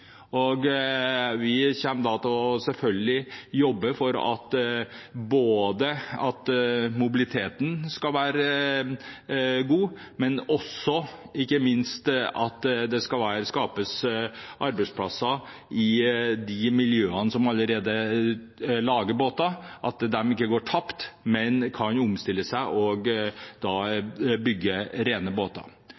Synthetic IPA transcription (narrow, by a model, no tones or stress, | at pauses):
ɔɡ | ʋɪçɛnːd̪ɑt̪ʰɪlɔsɛlfœlɡəlɪjɔbːəfɔɾɑ̰t̪ | boːd̪əɑt̪mʊbɪlɪt̪ʰeːt̪ən̩skɑlʋæːɾə | ɡuː | mɛnɔsːɔɪkːəmɪnst̪ɑt̪d̪ɛskɑlʋæːɾəskɑːpəsʔɑɾbɛɪspʰlɑsːɑ | ɪd̪ɪmɪljøːənəsɔmɑləɾeːd̪ə | lɑːɡəboːt̪ɑʔɑt̪̚d̪ɛmɪkːəɡoːʈʰɑpt̪mɛnkʰɑnʊmst̪ɪlːəsæɪʔɔɡd̪ɑːbʏɡːəɾeːnəboːt̪ɑ̰